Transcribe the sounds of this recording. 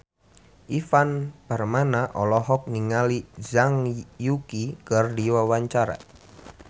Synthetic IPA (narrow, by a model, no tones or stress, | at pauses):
ʔifanb̥armanaʔɔlɔɦɔk̚niŋalizaŋjukikərdiwawaɲt͡ʃaɾa̰